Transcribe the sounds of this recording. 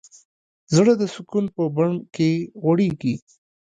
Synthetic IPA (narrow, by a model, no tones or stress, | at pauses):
zɽəd̪əsʊkunpəbaɳkeɣwaɽeɡi